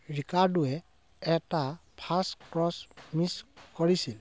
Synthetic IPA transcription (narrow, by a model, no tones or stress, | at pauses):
ɹikaɹduɛ | ɛtapʰaskɹɔsmiskɔɹisil